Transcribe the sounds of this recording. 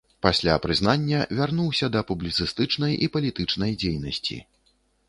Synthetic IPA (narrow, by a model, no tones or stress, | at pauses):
pasʲlʲapɾɨznanʲːɐvʲarnuwsʲɐd̪ɐpublʲit̪sɨst̪ɨt͡ʂnɐjipɐlʲit̪ɨt͡ʂnɐjd͡zʲejnɐsʲt͡sʲḭ